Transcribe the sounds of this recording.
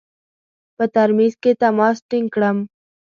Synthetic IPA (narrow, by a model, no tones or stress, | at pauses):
pət̪ɐɾmiːzket̪ɐmaːsʈiŋkɽɐm